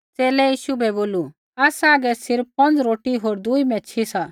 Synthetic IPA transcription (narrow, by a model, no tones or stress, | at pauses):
t͡seːlɛjiːʃubʱɛboːlu | aːsaːɡɛsɪɾpp̚pɐ̃nd͡zɾoːʈiɦoːɾd̪uimɛ̃t͡ʃʰisa